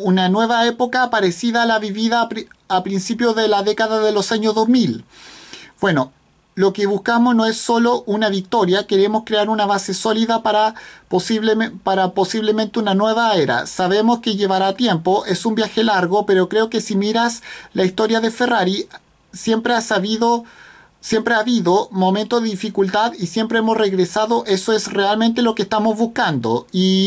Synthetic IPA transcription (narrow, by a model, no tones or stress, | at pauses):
unanwe̞βaepo̞kaːpaɾesiðaːlaβiβiðaːpɾinsipjoðelaðe̞kaðaðelo̞saɲozðo̞zmil | b̥we̞no̞ | lo̞keβuskamozno̞e̞sːo̞lo̞ʔunaβik̚t̪o̞ɾjake̞ɾe̞moskɾeaɾunaβaseso̞liðapaɾapopaɾapo̞siβlement̪eunanwe̞βaeɾa̰saβe̞moskeʝe̞βaɾat̪je̞mpoʔe̞sumbjaxe̞laɾɣope̞ɾo̞kɾe̞o̞ke̞simiɾaslaist̪o̞ɾjaðe̞fe̞raɾi | sje̞mpɾeasaβiðo | sjempɾeaβiðomo̞ment̪oðeðifikult̪aðisjempɾeemo̞sreɣɾesaðoʔe̞soesrealmẽnt̪elo̞kest̪amozβuskand̪o̰i